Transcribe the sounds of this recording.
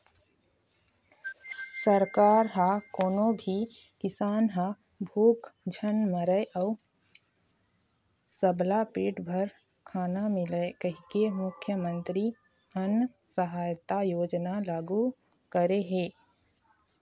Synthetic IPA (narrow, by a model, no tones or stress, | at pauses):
səɾkaːɾɦakoːnobʱi | kɪsaːnɦa | bʱuːkd͡ʒʱənməɾəeʔɔʊ | səblapeːʈbʱəɾ | kʰaːnamɪləkəɦikemʊkʰjəmə̃nt̪ɾi | ənsəɦaːjt̪ajoːd͡ʒnalaːɡu | kəɾeɦeː